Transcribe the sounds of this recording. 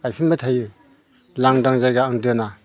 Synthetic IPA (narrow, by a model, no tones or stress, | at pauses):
ajpʰinmatʰajɯ | laŋdaŋzajɡaːŋdɯna